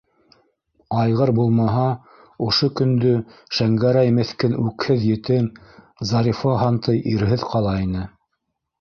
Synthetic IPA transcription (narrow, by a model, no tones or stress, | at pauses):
ɑjʁɤɾbulˠmɑɦɑ | ŏʃokɵ̆nd̪ɵʃæŋɡæɾæjmɘ̆θkɘnʉkhɘðjɘ̆t̪ɘm | zɑɾʲifoɦɑnt̪ɤjʔiɾɦɘðqʰɑlˠɑinɘ